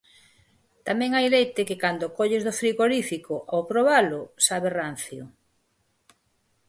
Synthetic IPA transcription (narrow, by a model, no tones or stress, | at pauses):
t̪amɛ̃ŋajlejt̪ekɪkand̪okoʎɪzðofɾiɣoɾifikoʔawpɾoβalʊsaβeran̟θjo